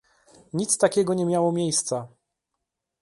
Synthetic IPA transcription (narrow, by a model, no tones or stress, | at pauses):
ɲit̪st̪akʲɛɡɔɲɛmʲjawɔmʲjejst̪sa